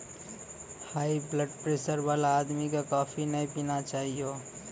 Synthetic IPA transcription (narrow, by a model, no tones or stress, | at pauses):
haibləɖpɾesəɾbalaːd̪mikekɔːpʰinəjpinat͡ʃaɦijo